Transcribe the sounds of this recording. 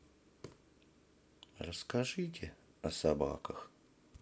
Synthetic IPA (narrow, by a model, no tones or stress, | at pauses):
rəskaʐɨtʲɪɐsaba̰kəx